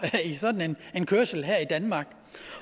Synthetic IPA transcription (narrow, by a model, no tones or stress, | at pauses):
isɒ̽d̥n̩enenkʰøɐsl̩ɦæɐ̰id̥ænmɑ̈ːɡ̥